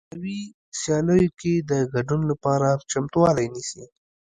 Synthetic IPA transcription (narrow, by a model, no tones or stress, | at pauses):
awi | sjɑləjoked̪əɡaɖunlapɑɾat͡ʃamt̪uwɑlajnisi